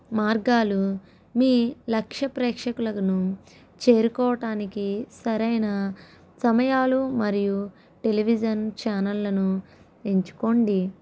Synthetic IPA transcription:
maːɾɡaːlu | miːlɐkʂɐpɾɛːkʂɐkulɐkɐnu | t͡ʃe̞ːɾukɔːʋɐʈaːnikisɐɾɐjnɐ | sɐmɐjaːlumɐɾiju | ʈe̞liʋid͡ʒɐnt͡ʃaːnɐlːɐnu | e̞ɲt͡ʃu̥ko̞ɳɖi

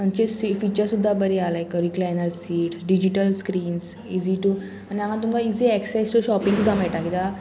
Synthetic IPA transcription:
ə̃nt͡ʃesifiːt͡ʃəɾsud̪ʱːabəɾiaːlaekəɾiklaːnəɾsiːʈɖid͡ʒiʈəlskɾiːns | iːziʈu | anãɦãt̪umkaiːziɛksɛst̪oʃɔːpĩŋsud̪ʱamɛːʈakit̪a

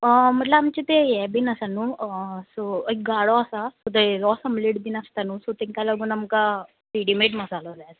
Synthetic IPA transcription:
əm̤əʈlaːmt͡ɕit̪ejɛbinasanuːsoəjk̚ɡaɽoasasod̪eɾɔsəmliɽbinast̪anuːsot̪eŋkalaɡuːnamka | piɽimeʈməsalɔlat̪

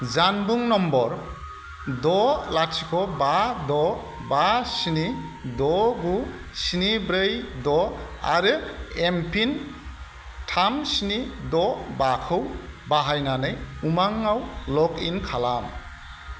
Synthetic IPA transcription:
zanbuŋnɔmbɔɾ | dɔlasikʰɔbadɔ | basinidɔɡu | sinibɾɯjdɔ | a̰ɾɯempʰin | tʰamsinidɔbakʰɯwbaɦajnanɯjumaŋawlɔkinkʰalam

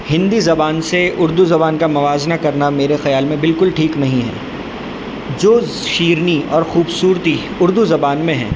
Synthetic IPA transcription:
hɪ̃nd̪izɐbaːnseʊɾd̪uzɐbaːnkamɐʋaːznakɐɾnameːɾexɐjaːlmẽbɪlkʊlʈʰiːknɐɦĩɦɛ̰̃ː | d͡ʒoːz | ʃiːɾniɔːɾxuːbsuːɾt̪i | ʊɾd̪uzɐbaːnmẽɦɛ̰̃ː

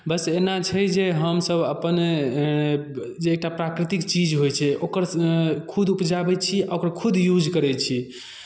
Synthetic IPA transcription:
bəsenat͡ʃʰɛd͡ʒeɦəmsəbəpən | d͡ʒeːk̚ʈapɾakɾit̪ikt͡ʃid͡ʒɦojt͡ʃʰɛokəɾkʰud̪ʱupd͡ʒabɛt͡ʃʰiaokəɾkʰud̪jud͡ʒkəɾɛt͡ʃʰi

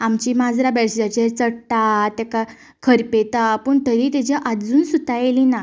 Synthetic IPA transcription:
amt͡ɕiːmad͡zɾabɛɽsd͡ʑat͡ɕet͡səɽʈ̪at̪aka | kʰəɾpet̪apəɳt̪əɾit̪ad͡ʑaʔad͡zuːnsut̪ajelina

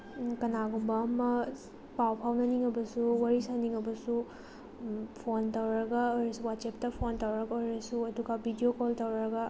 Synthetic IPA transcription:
kɐnaɡumbɐːmɐ | pawpʰawnɐniŋɐbɐsuwɐɾisaniŋɐbɐsu | pʰontɐwɾɾɐɡɐɔjɾɐsuwatsep̚tɐpʰontɐwɾɐɡɐɔɾɐsuɐduɡabʱidiokoltɐwɾɾɐɡɐ

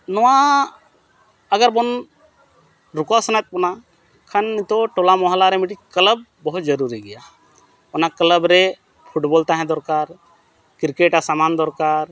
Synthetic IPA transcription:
nɔwa | əɡəɾbɔn | ɾukasɔnajt̪̚ˀbɔna | kʰanːit̪ɔʈɔlamɔɦalaɾɛmiʈikələb̚ːɔɦut̪̚d͡ʒəɾuɾiɡɛja | ɔnakləbɾɛ | pʰuʈbɔlt̪aɦɛ̃d̪ɔɾkaɾ | kiɾkeʈasamand̪ɔɾkaɾ

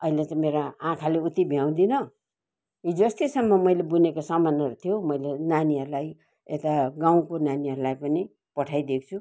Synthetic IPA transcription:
ʌilet͡sʌ̃meɾaãkʰaleut̪ibʱijaw̃d̪inʌ | id͡zʌst̪isʌmːʌmʌjlebunekosʌmanʌɾut̪ʰijomʌjlenaniɦʌɾulaj | et̪aɡaw̃konaniɦʌɾulajpʌni | pʌʈʰajd̪ek̚ʰt͡sʰu

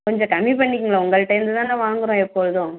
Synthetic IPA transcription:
kɔɲd͡ʒɔ̃kɐmːipɐɳːɪkːɯŋɡɐɭaʊŋɡɐɭʈːɐɪjmd̪ɯt̪aːnãːʋaːŋɡɯɾõːɛpːoɻɯðõ

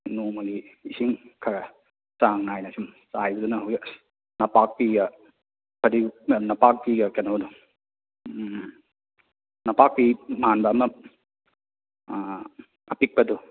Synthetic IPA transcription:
numɐɡiːsiŋkʰɐɡɐ | saŋnajnasumsajbɐdunɐɦowja | nɐpak̚piɡɐ | pʰɐɾinɐpak̚piɡɐkenowdu | nɐpak̚pimanbaːmɐ | ɐpik̚pɐdu

